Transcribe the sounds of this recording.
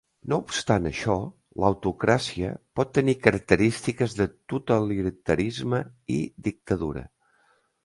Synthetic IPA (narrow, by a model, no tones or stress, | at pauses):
noupst̪anəʃɔ | ləwt̪ukɾasiə̰pɔt̪ːənikəɾək̚t̪əɾist̪ikəzðət̪ut̪əliɾt̪əɾizməid̪ik̚t̪əðuɾə̰